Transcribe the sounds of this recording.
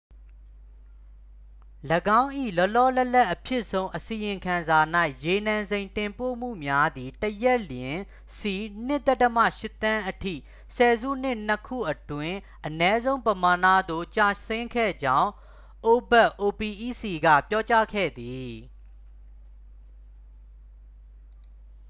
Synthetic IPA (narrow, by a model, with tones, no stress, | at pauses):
ləɡã˦ʊ̃ʔḭ˦˨lɔ˦ʔlɔ˦˨lɛ˦lɛ˦ʔːəpʰjɪ˦ʔsʰõ˦ʊ̃ʔəsi˨jɪ̃˨kʰã˨nza˨na˦ɪʔje˨nã˨nzẽ˨ɪ̃ntɪ̃˨mpo̰˦˨m̥ṵ˦˨mja˦d̪i˨təjɛ˦ʔljɪ̃˨ | si˨n̥ɪ˦ʔt̪ɛ˦təmä̰˦˨ʃɪ˦˨t̪ã˦ʔətʰḭ˦˨ | sɛ˨zṵ˦˨n̥ɪ˦˨n̥əkʰṵ˦˨ʔətwɪ̃˦ | ʔənɛ˦zõ˦ʊ̃mpəma˨nä̰˦˨d̪o̰˦˨t͡ɕa˦˨sɪ̃˦ŋkʰɛ̰˦˨d͡ʑã˦ʊ̃ | ʔo˨bɛ˦ʔʔo˨pi˨ʔi˦˨si˨ɡä̰˦˨pjɔ˦t͡ɕa˦kʰɛ̰˦˨d̪i˨